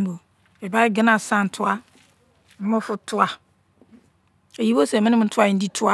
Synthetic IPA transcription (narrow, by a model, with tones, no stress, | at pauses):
m˦bo˨ | ɛ˨ba˦ɪ˦ɡɪ˦nã˨sã˦˨n̩˨tʰʊ˦a˦ | m̩˦mʊ̃˦fʊ˨˦tʰʊ˦a˨ | e˨ji˦bo˦sɛ˨mɪ̃˦nɪ̃˦ʊ̃˨tʰʊ˦a˦ɪ˨n̩˦di˦tʰʊ˦a˦